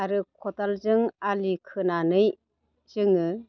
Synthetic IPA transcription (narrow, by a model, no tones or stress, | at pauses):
aɾɯkʰɔtalzɯŋalikʰɯnanɯj | z̥ɯŋɯ